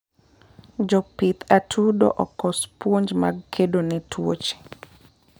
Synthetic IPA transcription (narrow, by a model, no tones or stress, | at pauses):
d͡ʒɔpit̪ʰatʰudo̰ʔɔkɔspwoɲd͡ʒma̰ɡkʰedonɪtʰwo̰t͡ʃe̥